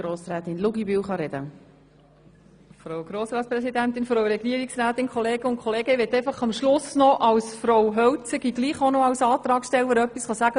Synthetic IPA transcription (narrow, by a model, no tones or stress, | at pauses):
ɾoːsɾɛːtɪnluɡibywχɑɾɛd̥̪ə | fɾoʊɡ̥ɾoːsɾɑːtspɾɛsid̪ænt̪ɪnfɾowɾɛɡiəɾiksɾæːt̪ɪnkʰχɔleːɡ̥əʊnkʰχɔleːɡəʋɛt̪ːæɪfɑχɑmʃlʊsnɔʔɑwsfɾowɦœwt͡səɡiɡliːχonɔɑwsɑːt̪ɾɑːkʃtɛwəəɾœpːisχɑsæɡə